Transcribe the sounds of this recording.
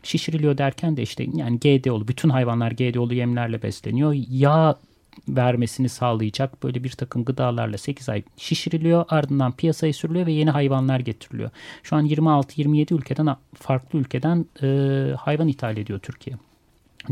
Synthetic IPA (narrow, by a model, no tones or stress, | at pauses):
ʃiʃɾilʲijo̞d̪æɾcʰænd̪ɛiʃt̪ʰɛ̰jaːniɟeːd̪ɛo̞lˠubyt̪ʰynɦajvanlˠaɾɟeːd̪ɛolˠujɛmlʲæɾlʲɛbɛ̰slʲenijo̞jaː | væɾme̞sinisaːlˠɯjɯd͡ʒak̚b̥ø̞jlʲɛbiɾt̪ʰakʰɯmɡɯd̪aːlˠa̰ɾlˠase̞cʰiza̰jʃiʃɾilʲijo̞ʔaɾd̪ɯnd̪anpʰijasajɯsyɾylʲijo̞vɛje̞niɦajvanlˠaɾɟet̪ʰiɾilʲḭjoʃuanjiɾmialˠt̪ʰɯjiɾmije̞d̪iylʲcʰe̞d̪ænfaɾklˠɯylʲcʰe̞d̪ænː | hajvanit̪ʰaːlʲed̪ijo̞t̪ʰyɾcʰijɛ